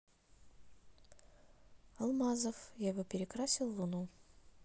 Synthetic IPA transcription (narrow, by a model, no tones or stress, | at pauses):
ɐlˠmazəfjavopʲɪɾʲɪkɾasʲɪlˠːʊnu